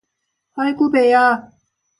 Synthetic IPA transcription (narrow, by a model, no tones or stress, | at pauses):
hɔjkuːpejaː